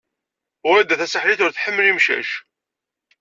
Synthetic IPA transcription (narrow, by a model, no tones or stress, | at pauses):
ʊɾæd̪ːæθæsəħliθʊɾθħəmːlimʃæ̰ʃ